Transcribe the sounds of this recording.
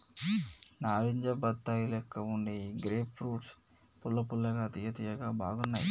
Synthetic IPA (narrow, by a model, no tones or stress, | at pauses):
naːɾiɲd͡ʒɐbɐt̪ːaːjilɛkːɐuɳɖeːɡɾeːpfɾuːʈs | pulːɐpulːɐɡaːt̪iːɐt̪ijɐɡaːba̰ːɡunːaːjḭ